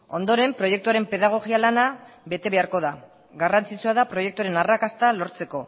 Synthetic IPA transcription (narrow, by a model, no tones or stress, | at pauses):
o̞nd̪o̞ɾe̞mpɾo̞je̞k̚t̪uaɾe̞mpe̞ðaɣ̞o̞ɣialanaβe̞t̪e̞βe̞aɾko̞ð̞a | ɡarant͡sit͡suað̞apɾo̞jekt̪uaɾe̞narakast̪alo̞ɾt͡se̞ko̞